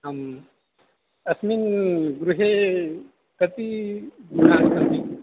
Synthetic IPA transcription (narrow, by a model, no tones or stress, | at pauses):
am | ɐsminɡɾuɦe | kɐt̪iɡnaːnkɐnd̪i